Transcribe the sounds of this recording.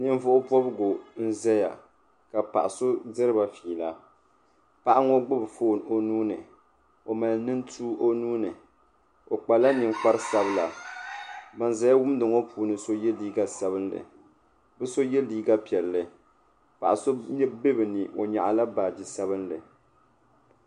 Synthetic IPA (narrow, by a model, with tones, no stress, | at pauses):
nɨ˦ɱ˦vʊ˦ʔʊ˦pɔ˦bɨ˦ɡo˨n̩˦za˦ja̰˨ | ka˨pa̰˨ʔa˨so˦dɨ˦ɾɨ˦ba˨fiː˨la˦ | pa˦ʔa˦ŋɔ˦ɡ͡bʊ˦bfoː˦˨no˦nuː˦nɨ̰˨ | o˨ma˨lnɨ˦ntʰuː˦o˦nuː˦nɨ˨ | o˨k͡pa˨la˦nɨ˨ŋ͡mk͡pa˦ɾɨ˦sa˦bɨ˦la˨ | ba˨nza˦ja˦wʊ˦mdɨ˨ŋɔ˦pʰuː˨˦nɨ˨so˦jɛ˦liː˦ɡa˦sa˦βɨ˦nlɨ̰˨ | bɨ˦so˦jɛ˦liː˦ɡa˦pi˨ɛ˨lːɨ˨ | pa̰˨ʔa˨so˦ɲɛ˦be˦bɨ˨nɨ˨ʔo˨ɲa̰˨ʔa˨la˦ba˨d͡ʒi˨sa˦bɨ˦nlɨ˨